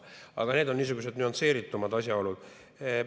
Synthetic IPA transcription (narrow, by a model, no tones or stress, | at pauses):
ɑ̰ɡ̥ɑne̞ːd̪onːiːs̬uɡ̥us̬e̞d̪nyonse̞ːɾit̪ːˑumɑd̪ɑsjɑo̞lud̪̥